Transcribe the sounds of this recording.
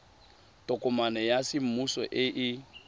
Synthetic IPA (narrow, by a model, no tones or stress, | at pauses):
tʼɔkʼɔmanɛjasɪm̩musɔ̰ʔɪʔɪ